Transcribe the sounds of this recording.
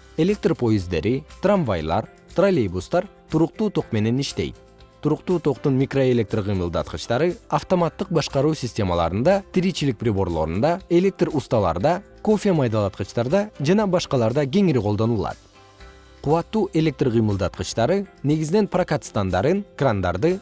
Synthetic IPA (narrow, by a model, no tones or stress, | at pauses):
e̞lʲe̞k̚t̪rpʰo̞jizd̪e̞ɾit̪raɱvajlˠɑ̰ɾ | t̪rolʲejbust̪ɑɾt̪ʰuɾuq̚t̪uːt̪ʰo̞qme̞ne̞niʃt̪e̞̰jt̪̚ | t̪ʰuɾuqt̪uːt̪ʰo̞qt̪unmʲikro̞e̞lʲe̞k̚t̪rqɨjmɯlˠd̪ɑ̰t̪qət͡ʃt̪ɑɾɯaft̪o̞mat̪ːɯq̚bɑʃqɑɾuːsʲɪsʲtʲemɑlˠɑ̰ɾɯnd̪ɑt̪ʰiɾit͡ʃilik̚prʲibo̞ɾlˠo̞̰ɾṵnd̪ɑe̞lʲe̞k̚t̪rust̪ɑlˠɑ̰ɾd̪ɑko̞fʲemɑjd̪ɑlˠɑt̪qət͡ʃt̪ɑɾd̪ɑd͡ʒɑnɑbɑʃqɑlˠɑɾd̪ɑɡʲe̞ŋiɾiqʰo̞lˠd̪o̞nulˠɑ̰t̪̚ | qʰuwɑt̪ːuːʔe̞lʲe̞k̚t̪rqʰɨjmɯlˠd̪ɑt̪qət͡ʃt̪ɑɾɯne̞ɡizɪne̞nprakat̪st̪and̪ɑɾɯnkrand̪ɑ̰ɾd̪ɯ